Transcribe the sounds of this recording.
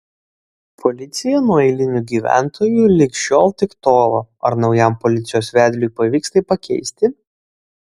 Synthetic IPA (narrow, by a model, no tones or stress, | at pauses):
pʰɔlʲɪt̪sʲɪjɛnuɔɛɪlʲɪnʲʊɡʲiːʋʲæ̰ˑnt̪ʰoːjuːlʲɪkʃʲoːlˠt̪ʲɪkt̪oːʋoɐɾnɒʊjɛˑmpɔlʲɪt̪sʲɪjoːsʋʲæːd̪ʲlʲujpɐʋʲiːkst̪ɐɪpɐkʲɛ̰ɪsʲt̪ʲɪ